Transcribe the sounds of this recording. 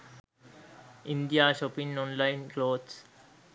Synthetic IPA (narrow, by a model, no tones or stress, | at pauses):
ɪ̃nd̪ijaːʃɔpɪ̃ŋnɔ̃ːnlaɪnkloːd̪s